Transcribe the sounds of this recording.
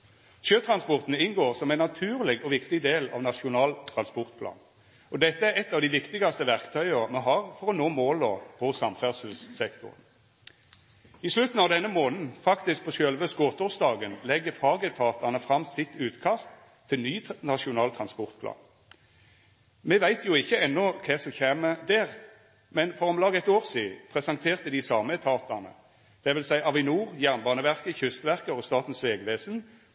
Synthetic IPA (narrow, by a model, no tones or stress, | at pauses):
ʃøːt̪ʰʁɑnspɔʁt̪n̩ɪnɡoːʁsɔmæɪnːɑt̪ʰʉːʁlɪɡɔʋɪkt̪ɪd̪eːlɑ̰ʋnɑʂʊnɑːlt̪ʰʁɑnspɔʁt̪pʰlɑ̰ːn | ɔd̪ɛt̪ːəæɾɛt̪ːɑːʋd̪ɪʋɪkt̪ɪɡɑst̪əʋæʁkt̪ʰœʏəmɑɦɑːʁfɔʁɔnoːmoːlopʰɔsɑmfæʁsəlssɛkt̪ʊ̰ʁn | ɪslʉt̪n̩ɑʋd̪ɛnːəmoːnn̩fɑkt̪ɪsk̚pʰɔʃœlʋøskot̪ɔsd̪ɑːɡənlɛɡːəfɑːɡət̪ʰɑːt̪ɑnəfʁɑmsɪt̪ʉːt̪kʰɑst̪ʰː | ɪlnyːnɑʃʊnɑːlt̪ʰʁɑnspɔʁt̪̚pʰlɑ̰ːn | meːʋæɪt̪jʊɪçəɛnːɔkʰɛsɔçeːməd̪æːʁ | mɛnfɔʁɔmlɑːɡəɛt̪oːʁsiːpʰʁɛsɑŋt̪ʰeːʁt̪əd̪ɪsɑːməɛt̪ʰɑːt̪ɑʁnə̰ | d̪̥ɛʋɪlsæɪʔɑʋɪnuːʁjæʁnbɑːnəʋæʁkəçʏst̪ʋæʁkəɔst̪ɑːt̪n̩sʋeːɡʋeːsn̩